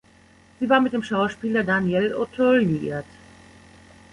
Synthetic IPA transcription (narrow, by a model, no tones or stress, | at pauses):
z̥iːvaːɐmɪt̚d̥eːmʃaʊʃpiːlɐdaːnjɛlʔotʰɔljiʔḭɐt